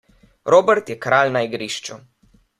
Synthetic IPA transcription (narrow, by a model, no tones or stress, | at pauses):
ɾoːbɛɾt̪jɛkɾaːlnaiɡɾiːʃt͡ʃu